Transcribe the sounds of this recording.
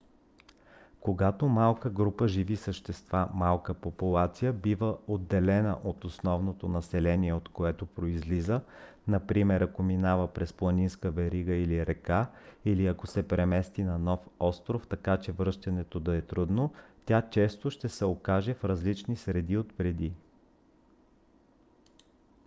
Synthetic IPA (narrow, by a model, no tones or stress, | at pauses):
koɡat̪omalˠkəɡɾupəʒivisəʃt̪ɛst̪vamalˠkəpopulˠat̪sijəbivəod̪ːɛlɛnə̰ʔot̪osnɔvnot̪onɐsɛlɛniɛot̪koɛt̪opɾoizlizə | nɐpɾimɛɾɐkominavəpɾɛsplˠɐninskəvɛɾiɡəiliɾɛkailiɐkosɛpɾɛmɛst̪inɐnɔfɔst̪ɾoft̪ɐkat͡ʃɛvɾɤʃt̪ɐnɛt̪od̪ɐɛt̪ɾud̪not̪ʲat͡ʃɛst̪oʃt̪ɛsɛokaʒɛfɾɐzlit͡ʃnisɾɛd̪iot̪pɾɛd̪i